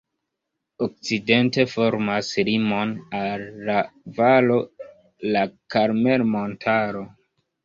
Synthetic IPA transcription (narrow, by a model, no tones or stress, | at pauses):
ok̚t͡side̞nte̞fo̞ɾmaslimo̞nalːavalo̞ | lakaɾme̞lmontʰaɾo̞